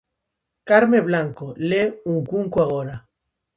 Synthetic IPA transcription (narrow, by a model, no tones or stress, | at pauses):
kaɾmeβlaŋkoleuŋkuŋkuaɣ̞oɾa